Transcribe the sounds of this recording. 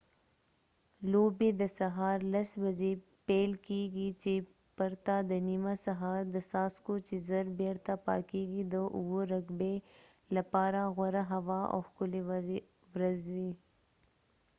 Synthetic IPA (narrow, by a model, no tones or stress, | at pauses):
loːbid̪əsɐɦaːɾlɐsbɐd͡ʒe | peːlkiːɡit͡ʃe | pɐɾt̪ad̪ənimasɐɦaːɾd̪əsaːskot͡ʃizɐɾbeɾt̪apa̰ːkiːɡid̪əʔʊɡoɾɐɡbelɐpaːɾaɣwɐɾaɦɐʋao̰xkʊle | wɾɐzwi